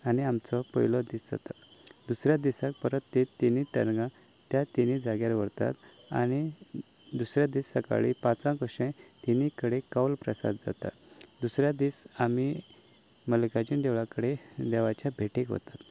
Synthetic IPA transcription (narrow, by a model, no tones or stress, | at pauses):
aniamt͡sɔpə̰jlɔd̪isd͡za̰t̪ad̪usɾjad̪isak̚pəɾət̪ːit̪ːinit̪əɾɡã | t̪jat̪inid͡zaɡjaɾʋəɾt̪a̰t̪ | a̰ñi | d̪usɾjad̪iːsːəka̰ɭipãt͡sãkoɕẽt̪inikəɽekawlpɾəsa̰d̪d͡za̰t̪a̰ | d̪usɾjad̪iːsami | mələkad͡ʑind̪ɛʋɭakəɽed̪ɛʋat͡ɕjabʱeʈikɦo̰t̪at̪